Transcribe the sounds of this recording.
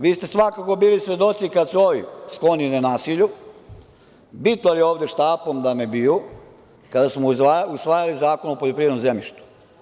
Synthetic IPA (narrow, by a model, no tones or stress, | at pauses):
ʋiːst̪e̞sʋakako̞biːlisʋe̞d̪o̞t̪sikad̪suoʋisklo̞ninanaːsiʎu | bit̪nojelioːʋd̪eʃt̪aːpomd̪amebiju | kad̪asmoausʋaːjalizaːkonopoʎopɾiʋed̪nomzemʎiʃt̪u̥